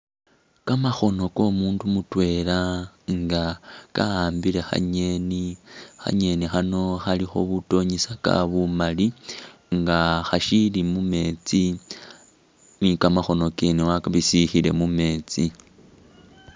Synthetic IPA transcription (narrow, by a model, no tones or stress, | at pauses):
kamaxo̞no̞ko̞muːndumutwe̞ːlaŋɡakaaːmbile̞xa̰ɲenixa̰ɲe̞nixano̞xalixo̞̰βuto̞ɲisaka̰βumaliŋɡaxaʃilimume̞ːt͡si | nikamaxo̞no̞kenewaβisixile̞mume̞ːt͡si